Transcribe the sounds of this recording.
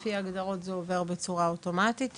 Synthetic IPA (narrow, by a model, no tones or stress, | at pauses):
fiaɡd̪aʁo̞tzeove̞ʁbe̞t͡suʁaoto̞mat̪it̪